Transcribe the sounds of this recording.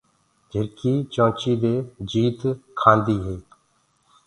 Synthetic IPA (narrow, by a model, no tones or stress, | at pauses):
d͡ʒʱɪɾkiːt͡ʃãːt͡ʃiːd̪eːd͡ʒiːt̪kʰãːnd̪iːɦeː